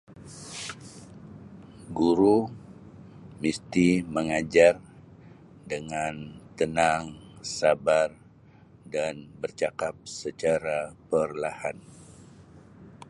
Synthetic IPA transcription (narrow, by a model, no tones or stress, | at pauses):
ɡuɾu | mist̪iməŋad͡ʒar | dəŋant̪ənaŋsabar | danbərt͡ʃakap̚sət͡ʃaɾapərlahan